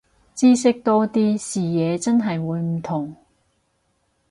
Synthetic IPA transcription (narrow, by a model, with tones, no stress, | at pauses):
t͡siː˥sɪ˥k̚t̪ɔː˥t̪iː˥siː˨jɛː˨˧t͡sɐ˥nɦɐ˨jwuː˨˧jm̩˨˩t̪ʰʊ˨˩ŋ